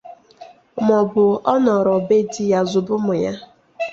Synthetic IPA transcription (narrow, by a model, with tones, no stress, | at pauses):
mɔ˨bʊ˨ɔ˦nɔ˨ɾɔ˨be˦di˦ja˦zʊ˨bʊ˦mʊ˨ja˦